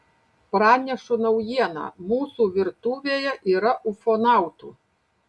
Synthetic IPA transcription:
pɾɑːnʲɛʃʊnɐwjiɛnɐ̰muːsuʋʲɪɾt̪uːʋʲeːjɛʔiːɾɐʔufɔnɑˑʊt̪uː

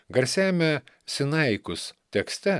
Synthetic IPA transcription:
ɡɐɾʲsʲæːmʲɛ | sʲɪnɐɪkʊst̪ʲɛksʲt̪ʲɛ

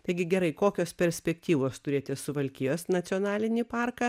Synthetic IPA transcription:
t̪ɐɪɡʲɪɡʲɛɾɐɪkoːkʲoːspʲɛɾʲsʲpʲɛkt̪ʲiːʋoːst̪ʊɾʲeːt̪ʲɪsʊʋɐlʲkʲiːjoːsnɐt͡ssʲɪɔnɑːlʲɪnʲipɑːrkɑ

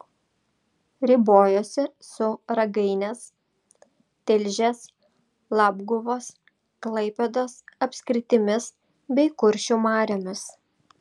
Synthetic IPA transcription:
ɾʲɪboːjoːsʲɪsʊɾɐɡɐɪnʲes | t̪ʲɛlʲʒʲɛs | lˠɑːbɡʊʋoːs | klˠɐɪpʲɛd̪oːsɐpʲsʲkʲɾʲɪt̪ʲɪmʲɪs | bʲɛɪkʊɾʲʃʲumɑːɾʲoːmʲɪs

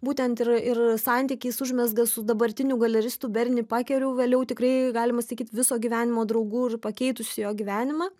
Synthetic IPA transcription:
buːt̪ʲɛnt̪ɪrɪrsɑnʲt̪ʲikʲiːsʊʒʲmʲɛzɡɐsʊd̪ɐbɐɾʲt̪ʲɪnʲuɡɐlʲɛɾʲɪst̪uːbʲɛɾʲnʲɪpɑːkʲɛɾʲɛʊʋʲeːlʲɛʊt̪ʲɪkrɐɪɡɑːlʲɪmɐsɐkʲiːt̪ʋʲɪsoːɡʲiːʋʲæːnʲɪmoːd̪ɾɐʊɡuːɪrpɐkʲɛɪt̪ʊsʲɪjoːɡʲiʋʲæːnʲɪmɑː

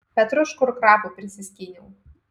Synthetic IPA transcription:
pʲɛt̪ɾʊʃkʊɾkɾɑːpupʲɾʲɪsʲɪsʲkʲinʲuʊ

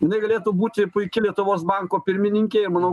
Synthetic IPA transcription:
jɪnɐɪɡɐlʲeːt̪uːbuːt̪ʲɪpʊɪkʲɪlʲiɛt̪ʊʋoːsbɑŋkoːpʲɪɾʲmʲɪnʲɪŋʲkʲeːɪmɑnoː

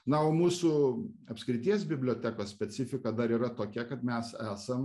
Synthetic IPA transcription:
nɐoːmuːsʊɐpʲskɾʲɪt̪ʲiɛs̬bʲɪbʲlʲoːt̪ʲækoːssʲpʲɛt͡s̪ʲɪfʲɪkɐd̪ɐɾiːɾɐt̪oːkʲɛkɐt̪mʲɛsæːsɐm

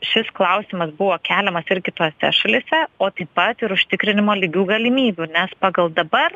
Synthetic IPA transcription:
ʃʲɪsklˠɐʊsʲɪmɐsbʊʋoːkʲæːlʲɛmɐsɪɾʲɡʲɪt̪oːsʲɛ̰ʃɐlʲɪsʲɛoːt̪ɐɪpɐt̪ɪɾʊʃʲt̪ʲɪkɾʲɪnʲɪmoːlʲɪɡʲuːɡɐlʲɪmʲiːbʲuːnʲɛspɑːɡɐlˠd̪ɐbɐr

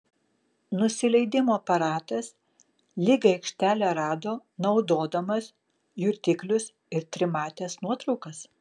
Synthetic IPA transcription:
nʊsʲɪlʲɛɪd̪ʲɪmoːɐpɐɾɑːt̪ɐs | lʲɪɡɐɛɪkʃʲt̪ʲæːlʲɛɾɑːd̪oːnɒʊd̪oːd̪ɐmɐs | jʊɾʲt̪ʲɪklʲʊs | ɪɾt̪ʲɾʲɪmɑːt̪ʲeːsnuɔt̪ɾɒʊkɐs

